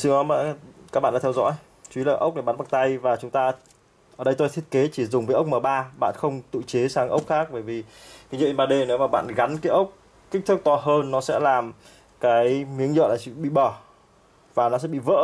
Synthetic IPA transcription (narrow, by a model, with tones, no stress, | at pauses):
sɨ˧ŋɔ˨˦ma̰ː˧˩ka˦k̚ɓa̰˧˨ɗ̰a̰ː˧t̪ʰɛ˧wzɔ̰˧˥j | t͡ɕwi˨˦laː˨˩ʔə˦˥wk͡p̚na˧˩ɓaː˨˦nɓa˨˩t̪a˧jvaː˨˩t͡ɕʊ˨˦ŋ͡mt̪aː˧ | ʔəː˨˩ɗə˧jt̪o˧jt̪ʰi˦˥ət̚ke˨˦t͡ɕi˧˩zʊ˨˩ŋ͡mvəː˨˦ʔə˦˥k͡p̚məː˨˩ɓaː˧ɓa̰ː˧˨nxə˧wŋ͡mt̪ɨ̰˧˨t͡ɕe˨˦saː˨˧˦ŋʔə˦˥wk͡p̚xaː˦˥k̚ɓəː˧˩jvi˨˩ka˨˦zə̰˧˨˧nɓaː˧˩ɗe˧ne˨˦wmaː˨˩ɓa̰ː˧˨nɣa˨˦nkaː˨˦jʔə˦˥wk͡p̚ | ki˦˥k̟̚t̪ɨ˦˥k̚t̪ɔ˧ɦəː˧nːɔ˨˦sɛ̰˧˥laː˨˩m | kaː˨˦jmi˨˦əŋzə̰ː˧˨laː˨˩t͡ɕɨ̰˧˥ɓḭ˧˨ɓəː˧˩ | vaː˨˩nɔ˨˦sɛ̰˧˥ɓḭ˧˨və̰ː˧˥